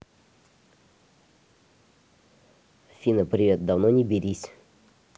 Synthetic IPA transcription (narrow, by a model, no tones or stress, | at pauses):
fʲinəpɾʲiʋʲɛt̪̚d̪awnonʲibʲiɾʲisʲ